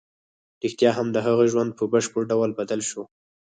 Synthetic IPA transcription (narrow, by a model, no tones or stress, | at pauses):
ɾixt̪jɑɦamd̪əɦaɣəʒwand̪̚pʰəbəʃpəɾɖawlbad̪alʃo